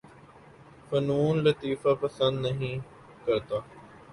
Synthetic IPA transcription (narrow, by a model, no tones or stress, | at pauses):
fɐnuːnlɐt̪iːfapɐsə̃nd̪nɐɦĩː | kɐɾt̪aː